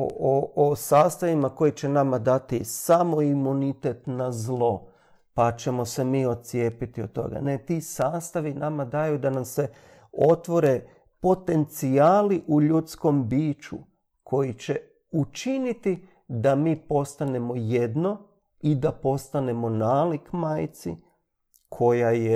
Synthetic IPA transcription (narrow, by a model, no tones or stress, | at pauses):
o̰oosaːst̪aʋimako̞jit͡ɕe̞namad̪at̪isamo̞imunit̪e̞t̪nazlˠo̞ | pat͡ʃe̞mo̞se̞miːo̞d̪̚t̪sije̞ːpit̪iot̪̚t̪ːo̞̰ɡa̰ne̞t̪iːsaːst̪aʋinamad̪ajud̪anamse̞ | ot̪ʋo̞ɾe̞ | po̞t̪e̞nt̪siaːliʔuʎut̪sko̞mbiːt͡ʃṵ | kʰo̞jit͡ɕe̞ | ut͡ʃinit̪i | d̪amiːpo̞st̪ane̞mo̞jed̪no̞ | id̪apo̞st̪ane̞mo̞naːlikmajt̪sḭ | kʰo̞jaje